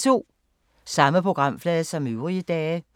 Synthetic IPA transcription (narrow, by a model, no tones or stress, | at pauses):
t͡sʰo̝̰ː | sɑ̈məpʰʁo̝ɡ̥ʁɑ̈m̰flɛːðˠsɒ̽møʊʁiəd̥ɛː